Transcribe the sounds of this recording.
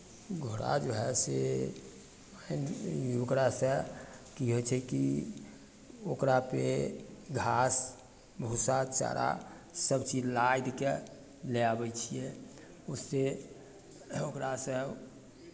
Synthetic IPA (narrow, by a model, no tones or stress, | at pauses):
ɡʱoɾa̰d͡ʒoɦɛse | nokɾasə̃kiɦot͡ʃʰɛki | okɾapeɡʱas | bəusat͡ʃa̰ɾa̰ | səbt͡ʃid͡ʒlajd̪ke | leabɛt͡ʃʰijɛ | usːe | okɾasə̃